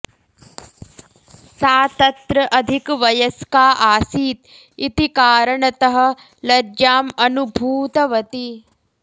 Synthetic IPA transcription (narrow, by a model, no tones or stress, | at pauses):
saːt̪ɐt̪ɾɐʔɐd̪ʱikʋɐjɐskaːʔaːsiːt̪ | it̪ikaːɾɐɳɐt̪ɐɦɐ̆ | lɐɾd͡ʒaːmɐnubʱuːt̪ɐʋɐt̪i